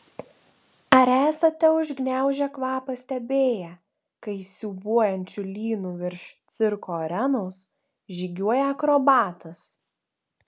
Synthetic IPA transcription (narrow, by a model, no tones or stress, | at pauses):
ɐɾæːsɐt̪ʲɛʊʒʲɡnʲæˑʊʒʲɛkʋɑːpɐsʲt̪ʲɛbʲeːjɛ | kɐɪsʲuːbuɔjɛnʲt͡ʃʲʊlʲiːnuːʋʲɪɾʃt̪sʲɪɾkoːɔɾʲɛnoːs | ʒʲiːɡʲuɔjɛɐkɾɔbɑːt̪ɐs